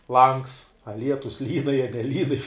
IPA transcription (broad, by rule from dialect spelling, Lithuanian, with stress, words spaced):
lˠɐŋks ɐ ˈlʲiɛtʊs lʲiːn ɐ jiɛ nʲɛˈlʲiːn